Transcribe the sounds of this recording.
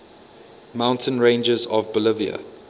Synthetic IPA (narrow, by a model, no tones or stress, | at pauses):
mãʊ̃ntʰə̃nɹẽɪ̃nd͡ʒəzɔvbəlɪviə̰